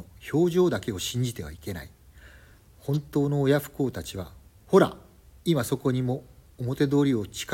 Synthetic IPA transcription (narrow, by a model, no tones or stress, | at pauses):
ço̞ːʑo̞ːd̪ake̞oɕĩɲ̟d͡ʑit̪e̞β̞a̰ike̞na̰i | hõ̞nt̪o̞ːnoːjaɸɯ̟̥ko̞ːt̪at͡ɕiβa | ho̞ɾa̰ | imaso̞ko̞ɲ̟imo̞ːmo̞t̪e̞d̪o̞ːɾʲio̞t͡ɕi̥k